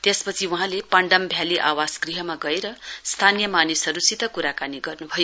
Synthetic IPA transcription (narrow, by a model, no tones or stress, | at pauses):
t̪espʌt͡sʰiuɦãlepʌɳɖʌmbʱjaliʔawasɡriɦʌmaɡʌeɾʌst̪ʰanijʌmanisʌɾusit̪ʌkuɾakaniɡʌrnubʱʌj